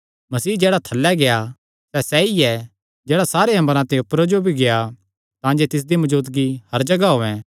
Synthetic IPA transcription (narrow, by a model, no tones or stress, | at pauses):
mɐsiːd͡ʒɛːɽat̪ʰɐlːɛɡeja | sɛsɛiɛ | d͡ʒɛːɽasaːɾeɦɐ̃məɾãt̪ɐ̃ʊpɾod͡ʒobʱiɡeja | t̪ãːd͡ʒet̪ɪs̬d̪imɐd͡ʒuːt̪ɡihɐɾd͡ʒɐɡaɦoːɛ̃